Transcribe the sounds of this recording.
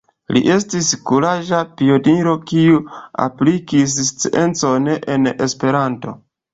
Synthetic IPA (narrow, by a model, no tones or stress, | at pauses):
lḭʔe̞stiskuɾaʒapiodiɾo̞kiua̰plikis̬st͡siʔe̞nt͡sonʔene̞spe̞ɾanto̞̰